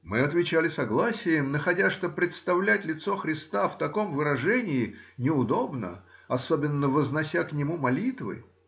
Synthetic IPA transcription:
mɨɐt̪vʲɪt͡ɕælʲɪsɐɡlˠasʲɪjɪmnəxɐdʲaʂt̪opɾʲɪt̪st̪ɐvlʲætʲlʲɪt̪so̞xɾʲɪst̪aft̪ɐko̞mvɨɾɐʐɛnʲɪɪnʲɪʊd̪o̞bnə̰ɐsobʲɪnːəvəznɐsʲaknʲɪmumɐlʲit̪vɨ̰

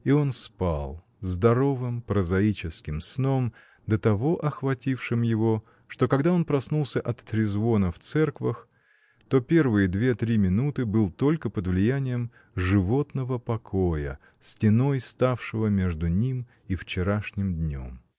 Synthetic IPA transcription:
io̞nspa̰lˠ | zd̪ɐɾo̞vɨmpɾəzɐit͡ɕɪskʲɪmsno̞m | d̪ət̪ɐvo̞ʔɐxvɐtʲifʂɨmjɪvo̞ | ʂt̪o̞kɐɡd̪ao̞npɾɐsnulˠsʲəʔɐt̪ːɾʲɪzvo̞nəft̪sɛrkvəx | t̪o̞pʲe̞rvɨjəd̪vʲe̞t̪ɾʲimʲɪnut̪ɨbɨlˠt̪o̞lʲkəpəd̪vlʲɪjænʲɪjəm | ʐɨvo̞t̪nəvəpɐkʰo̞jə̰ | sʲtʲɪno̞jst̪afʂɨvəmʲe̞ʐd̪ʊnʲim | ift͡ɕɪɾaʂnʲɪmd̪ʲnʲo̞̰m

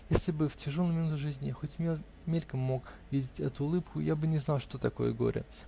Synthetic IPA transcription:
jesʲlʲɪbɨftʲɪʐolˠəjmʲɪnut̪ʲʊʐɨzʲnʲɪxo̞tʲ | mʲelʲkəmːo̞kvʲidʲɪtʲɛt̪ʊːlˠɨpkʊjabɨnʲɪznɑlˠʂt̪o̞t̪ɐko̞jə̰ɡo̞̰ɾʲɪ̰

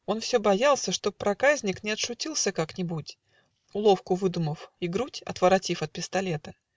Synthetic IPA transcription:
o̞nfsʲobɐjalˠsʲəʂt̪o̞pɾɐkazʲnʲɪknʲɪɐt̪ʂʊtʲilˠsʲəkaknʲɪbutʲ | ʊlˠo̞fkʊvɨd̪ʊməfɪɡɾutʲɐ̰t̪vəɾɐtʲifɐt̪̚pʲɪst̪ɐlʲe̞t̪ə

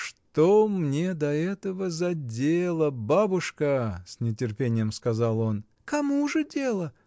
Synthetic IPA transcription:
ʂt̪omnʲe̞d̪ɐɛt̪əvəzɐdʲelˠəbabʊʂkəsʲnʲɪtʲɪrpʲenʲɪjəmskɐzɑlˠo̞n | kɐmuʐɨdʲelˠə

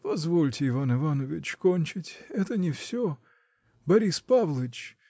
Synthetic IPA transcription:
pɐzvo̞lʲtʲɪɪvanɨvanəvʲɪt͡ɕkonʲt͡ɕɪtʲɛt̪ənʲɪfsʲo | bɐɾʲispavlˠəɪt͡ɕ

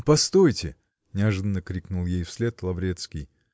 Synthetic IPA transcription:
pɐst̪ojtʲɪ̰ | nʲɪɐʐɨd̪ənːəkɾʲiknulˠjejfsʲlʲe̞t̪lˠɐvɾʲet̪skʲɪj

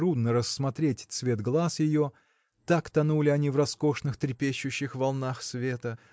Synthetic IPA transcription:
ɾud̪nəɾəsːmɐt̪ɾʲetʲt̪svʲe̞t̪ɡlˠasjɪjo̞ | t̪akt̪ɐnulʲɪɐnʲivrɐsko̞ʂnɨxt̪ɾʲɪpʲeɕːʊɕːɪxvɐlˠnaxsvʲe̞t̪ə

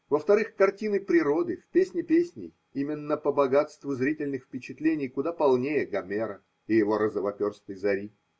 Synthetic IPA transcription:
vəft̪ɐɾɨxkɐrtʲinɨpɾʲɪɾo̞d̪ɨfpʲesʲnʲɪpʲesʲnʲɪ̰j | imʲɪnːəpəbɐɡat̪st̪vʊzɾʲitʲɪlʲnɨxfpʲɪt͡ɕɪt̪lʲenʲɪjkʊd̪apɐlˠnʲejəɡɐmʲeɾə | ɪjɪvo̞ɾəzəvɐpʲorst̪əjzɐɾʲi

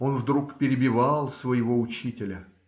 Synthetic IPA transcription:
o̞nvd̪ɾukpʲɪɾʲɪbʲɪvɑlˠsvəjɪvo̞ʊt͡ɕitʲɪlʲə

